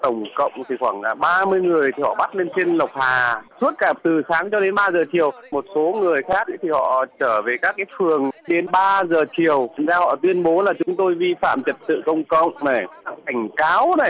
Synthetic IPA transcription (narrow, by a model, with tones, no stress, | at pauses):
t̪ə˧˩wŋ͡mkə̰˧˨wŋ͡mt̪ʰi˨˩xwaː˧˩ŋlaː˨˩ɓaː˧mɨ˧əjŋɨ˨˩əjt̪ʰi˨˩hɔ̰˧˨ɓa˦˥t̚le˧nt͡ɕe˧nlə˨˩wk͡p̚haː˨˩su˦˥ət̚kaː˧˩t̪ɨ˨˩saː˨˦ŋt͡ɕɔ˧ɗe˨˦nɓaː˧zəː˨˩t͡ɕi˨˩əwmo˨˩t̚so˨˦ŋɨ˨˩əjxaː˦˥k̚ʔḭ˧˥t̪ʰi˨˩hɔ̰˧˨t͡ɕəː˧˩ve˨˩kaː˦˥k̚ːaː˨˦jfɨ˨˩əŋɗe˨˦nɓaː˧zəː˨˩t͡ɕi˨˩əwŋzaː˧hɔ̰˧˨t̪wi˧ənɓo˨˦laː˨˩t͡ɕʊ˨˦ŋ͡mt̪o˧jvi˧fa̰ː˧˨mt͡ɕə˨˩t̚t̪ɨ̰˧˨kə˧wŋ͡mkə̰˧˨wŋ͡mna˨˩jkaː˦˥k̚ka˧˩jŋ̟kaː˨˦wna˨˩j